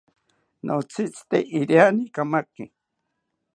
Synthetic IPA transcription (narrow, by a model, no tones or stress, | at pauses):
nʔot͡sʰit͡si̥t̪eʔiɾjanikamaki